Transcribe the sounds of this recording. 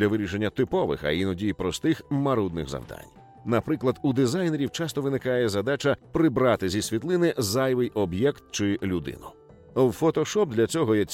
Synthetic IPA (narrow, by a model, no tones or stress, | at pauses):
lʲɐʋɪɾʲiʃe̞nʲːɐt̪ɪpɔʋɪ̰xɐ̰inɔdʲijpɾɔst̪ɪxmɐɾud̪nɪ̰ɣzɐ̰wd̪a̰nʲ | nɐpɾɪklˠɐd̪ud̪ɪzajneɾʲiwt͡ʃɑst̪ɔʋɪnɪkajɛzɐd̪at͡ʃɐpɾɪbɾɑt̪ɪzʲisʲʋʲit̪lˠɪnɪzajʋɪjɔbjɛkt̪̚t͡ʃɪlʲud̪ɪ̰nʊ | wfɔt̪ɔʃɔp̚d̪lʲɐt͡sʲɔɦɔjɛt͡sʲ